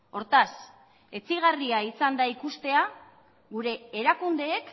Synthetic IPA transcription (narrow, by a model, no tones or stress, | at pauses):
o̞ɾt̪as | e̞t͡siɣariaisand̪aikust̪e̞a | ɣuɾe̞ːɾakund̪e̞ːk